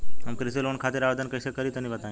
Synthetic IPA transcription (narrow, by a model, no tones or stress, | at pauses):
ɦəmkɾiselonkʰat̪iɾaʋd̪ʱənkəjsekəɾit̪ənibət̪ã